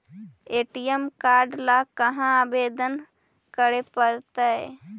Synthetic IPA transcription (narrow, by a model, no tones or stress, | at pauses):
eːʈijəmkaɾɖlakəɦãabed̪ən | kəɾepəɾt̪a